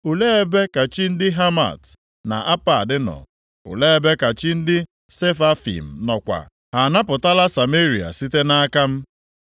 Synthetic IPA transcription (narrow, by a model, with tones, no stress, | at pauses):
u˨le˦e˦be˦ka˨t͡ʃi˦n̩˦dɪ˦ɦa˦ma̰˨t | na̰˨ʔa˦pa˨dɪ˦nɔ̰˨ | ʊ̰˨le˦e˦be˦ka˨t͡ʃi˦n̩˦dɪ˦ | se˦fa˦fḭ˨m̩˨nɔ˨kʷa̰˨ | a˨na˦pʊ˨ta˦la˦sa˨me˦ɾi˨a̰˨si˦te˦na˦a˦ka˦m̩˦